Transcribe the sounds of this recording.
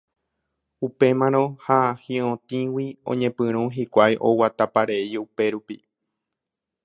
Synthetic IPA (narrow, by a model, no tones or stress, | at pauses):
upe̞mãɾ̃õ̞hahĩõt̪ĩwiõ̰ɲẽ̞pɨ̃ɾ̃ũɦikʷajʔo̰wat̪apaɾe̞d͡ʒupe̞ɾupḭ